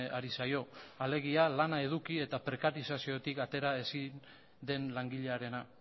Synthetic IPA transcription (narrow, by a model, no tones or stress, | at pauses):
aɾisajo̞ale̞ɣ̞ialanae̞ð̞ukie̞t̪apɾe̞kaɾisasio̞t̪ikat̪e̞ɾae̞sin | d̪e̞nlaŋɡiʎe̞aɾe̞na